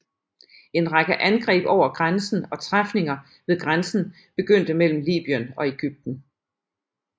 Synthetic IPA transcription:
e̝nʁaɡ̥əʔænɡ̥ʁɛ̰ːb̥ɒʊ̰ɐɡ̥ʁansn̩ɒ̽t͡sʰʁafne̝ŋɐ | ʋe̝ðˠɡ̥ʁansn̩ | b̥e̝ɡ̥øn̰d̥əmel̰m̩lḭːb̥iənɒ̽e̝ɡ̥yb̥̚d̥n̩

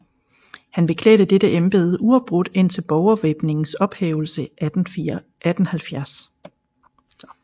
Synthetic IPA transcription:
hænb̥e̝kʰlɛ̰ːɾ̥əd̥eɾ̥əʔemb̥e̝ːð̞̩ˠʔuɒ̥̽b̥ʁod̥e̝n̰t͡sʰe̝lb̥ɒʊɐʋeb̥ne̝ŋn̩sɒ̽b̥hḛːʊl̩sə | æd̥n̩hælfjæɐs

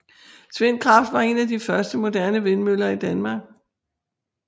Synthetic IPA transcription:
t͡sʰʋe̝nkʰʁɑ̈fd̥ʋɑ̈e̝næd̥ifɶɐsd̥əmo̝d̥æɐnəʋe̝nmølɐid̥ænmɑ̈ːɡ̥

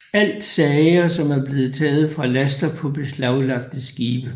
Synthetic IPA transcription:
æl̰d̥sɛɪɐsɒ̽mæɐb̥le̝ːð̩ˠt͡sʰɛːð̞̩ˠfʁɑ̈læsd̥ɐpʰɒ̽b̥e̝slɑ̈ʊlɑ̈ɡ̥̚d̥sɡ̥iːb̥ə

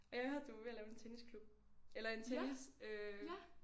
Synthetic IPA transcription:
ɒ̽jɑ̈ɪhøɑɐd̥uʋe̝ælɛːʊe̝nt͡sʰeniskʰlub̥̚elɐe̝nt͡sʰenisø

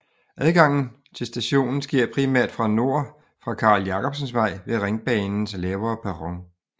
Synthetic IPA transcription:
ʔæðˠɡ̥ɑ̈ŋ̰n̩ | t͡sʰe̝lsd̥æɕo̝̰ːnn̩sɡ̥iɐ̰pʰʁimæɐ̰d̥fʁɑ̈no̝ɐ̰ | fʁɑ̈kʰɑ̈ljɑ̈kʰɒ̽b̥sənsʋɑ̈ɪ̰ʋe̝ʁeŋb̥ɛːnn̩slɛːʊɐpʰæʁɒ̽ŋ

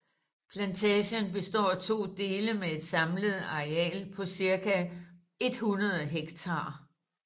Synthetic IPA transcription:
pʰlænt͡sʰɛːɕənbe̝sd̥ɒ̰ːt͡sʰo̝̰ːd̥e̝ːləmee̝d̥sɑ̈mləð̞̩ˠɑ̈ʁeɛ̰ːlpʰɒ̽siɐkæ | e̝d̥hunɐð̞ˠɦeɡ̥t͡sʰɑ̈ː

